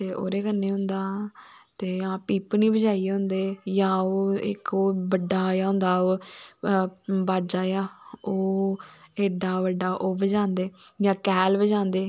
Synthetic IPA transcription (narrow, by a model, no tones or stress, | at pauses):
t̪eːo̰ːɾeːkənːeːɦʊ̃nd̪aːt̪eːãːpiːpniːbəd͡ʒaːiːɦʊ̃nd̪eːjãːoːɪ̰koːbəɖːaːjãːɦʊ̃nd̪aːoː | baːd͡ʒaːjãːoː | eːɖaːʋəɖaːʔoːbəd͡ʒãːnd̪eːjãːkɛːlʋəd͡ʒãːnd̪eː